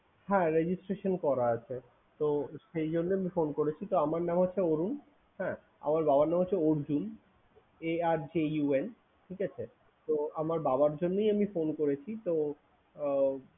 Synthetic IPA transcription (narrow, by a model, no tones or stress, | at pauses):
hɛ̃ɾed͡ʑisʈɾeʃonkɔɾaat͡ɕʰe | t̪oʃejd͡ʑonːoamifonkoɾet͡ɕʰit̪oamaɾnamɦotːɕʰeoɾun | hɛ̃ | a̰maɾbabaɾnamɦotːɕʰeoɾd͡ʑun | eaɾd͡ʑeuen | ʈʰikat͡ɕʰe | t̪oamaɾbabaɾd͡ʑonːojamifonkoɾet͡ɕʰit̪o